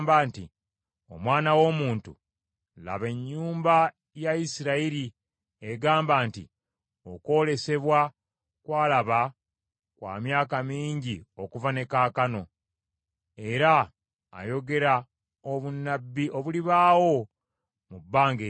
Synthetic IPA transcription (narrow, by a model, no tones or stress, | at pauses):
mbaːnti | o̞̰mwaːnawo̞muːntṵ | la̰βe̞ɲːuːmba | jaisiɾaiɾi | eɡaːmbaːnti | o̞ko̞ːle̞se̞βwa | kwaːlaβa | kwa̰ːmjaːkamiːɲɟio̞kuvane̞kaːkano̞ | e̞ɾa̰ː | jo̞ɡe̞ɾa | oβunːabːiʔo̞βuliβaːwo̞ | mubːaːŋɡe